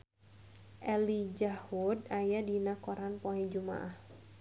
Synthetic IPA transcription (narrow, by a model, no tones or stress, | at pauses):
ʔɛlid͡ʒahudajadinakɔɾanpɔɛd͡ʒuma̰ʔah